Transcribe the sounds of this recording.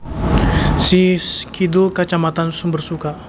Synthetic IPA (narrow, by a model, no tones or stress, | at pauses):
siskidulkat͡ʃamat̪ansumbərsuka